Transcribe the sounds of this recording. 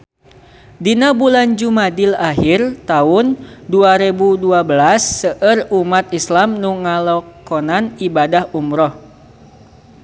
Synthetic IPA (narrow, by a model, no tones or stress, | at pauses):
dinabuland͡ʒumadilaɦirt̪aʊnduaɾebuduabəlasːəʔərumat̪̚islamnuŋalɔkɔnanibadahumɾɔh